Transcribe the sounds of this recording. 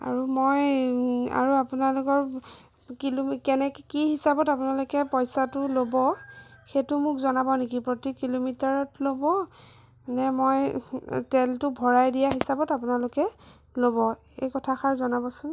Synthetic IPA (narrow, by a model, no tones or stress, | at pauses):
a̰ɹumoj | a̰ɹuapunalʊkɔɹ | kilokɛnɛkkihisabɔtapunalʊkɛpɔjsatʊlobɔxetʊmʊkzɔnabɔnek̬ipɹotikilomitaɹɔtlobɔ | nɛmojtɛltʊbʱɔɹajdijaɦisabɔtapʊnalʊkɛ | lobɔ | ejkɔtʰaxʰaɹzɔnabɔsʊn